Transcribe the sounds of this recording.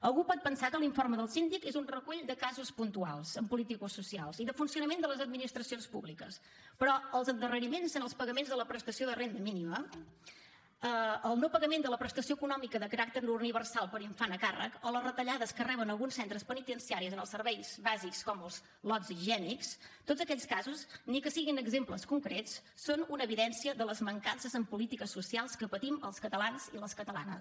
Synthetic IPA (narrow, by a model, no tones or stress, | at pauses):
əlˠɣupɔt̪̚pənsakəliɱforməðəlˠsind̪ikezunrəkuʎd̪əkazuspunt̪ualˠzəmpulit̪ikususialˠziðəfunsiunəmend̪ələzəd̪̚minist̪ɾəsionspuβlikəs | pɾɔəlˠzənd̪ərəɾimensənəlˠspəɣəmenzðələpɾəst̪əsioðərend̪əminimə | əəlˠnowpəɣəmend̪ələpɾəst̪əsioəkunɔmikəðəkəɾak̚t̪əɾuniβ̞ərsalˠpəɾiɱfanəkarə̰kɔləzrət̪əʎaðəskərɛβ̞ənəlˠɣunsɛnt̪ɾəspənit̪ənsiaɾizənəlˠsəɾβɛjzβazikskɔməlˠz | lɔziʒɛnikst̪odzəkɛʎskazusnikəsiɣinəɡzempləskuŋkɾett͡sːonunəːβiðɛnsiəðələzməŋkansəzəmpulit̪ikəsːusialˠskəpət̪iməlˠskət̪əlanziləskət̪əla̰nə̰s